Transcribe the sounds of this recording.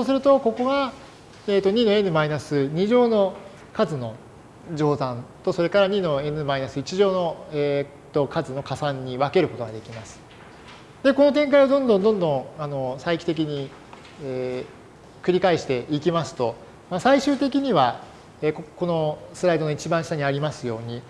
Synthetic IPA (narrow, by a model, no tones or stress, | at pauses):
soːsɨɾɯ̟t̪o̞ko̞ko̞ɡa | eːt̪ːo̞ɲ̟ino̞e̞nɯ̟mainasɨɲ̟iʑo̞ːno̞ | kazɨno̞ | d͡ʑo̞ːzãnt̪o̞so̞ɾe̞kaɾaɲ̟ino̞e̞nɯ̟mainasɨit͡ɕiʑo̞ːno̞e | t̪ːo̞kazɨno̞kasãɲ̟ːiβake̞ɾɯ̟ko̞t̪o̞ɡad̪e̞kʲimasɨ̥ | d̪e̞ko̞no̞t̪̬ẽ̞ŋkaiβad̪õ̞nd̪õ̞nd̪õ̞nd̪õ̞ano̞saikʲi̥t̪e̞k̬ʲiɲ̟i | e | kɯ̟ɾʲikaiɕi̥t̪e̞ʔikʲimasɨ̥t̪o̞ | masaiɕɨːt̪e̞kʲiɲ̟iβa | eːkko̞no̞sɨɾait̪o̞noit͡ɕibãɕi̥t̪aɲ̟iaɾʲimasɨjo̞ːɲ̟i